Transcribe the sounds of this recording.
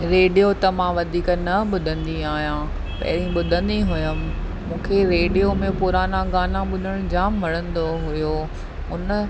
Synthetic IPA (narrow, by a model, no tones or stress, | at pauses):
ɾeːɖijot̪ɐmãʋɐd̪ʱiːknɐɓʊd̪ʱə̃nd̪iaːɦijã | pɐ̰ɦɪɾĩɓʊd̪ʱə̃nd̪iɦʊjəmɪ̆ | mũːkʰeɾeːɖijomẽpʊɾaːnaɡaːnãɓʊd̪ʱəɽ̃ʊ̃d͡ʑaːmːɐɽə̃nd̪oɦʊjo | ʊnə̆